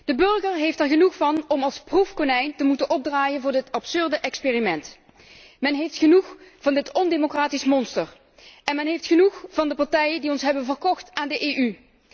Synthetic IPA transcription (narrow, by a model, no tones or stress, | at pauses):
d̥əbɵɹɣəɹɦejftɛɹɣənuχfɑnɔmɑlˠsprufkonɛjntəmutənʔɔb̚draːjənvʊːɹdɪtɑpsɵɹdəʔɛkspeːrimɛnt | mɛnɦejftχənuχv̥ɑndɪtɔndemokraːtismɔnstəɹ | ʔɛnmɛnɦejftχənuχv̥ɑndəpɑɹtɛjəndiɔnsɦɛbənvəɹkɔχtaːndəʔeːʔy